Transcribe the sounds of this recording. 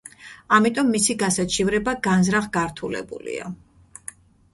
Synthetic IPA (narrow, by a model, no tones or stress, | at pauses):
amit̪ʼɔmːisiɡasat͡ʃʰivɾɛbaɡanzɾaχɡaɾt̪ʰulɛ̰bṵlḭa̰